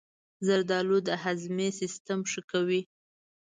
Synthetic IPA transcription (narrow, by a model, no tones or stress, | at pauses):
zaɾd̪ɑlud̪əɦazmesɪst̪amʂəkawi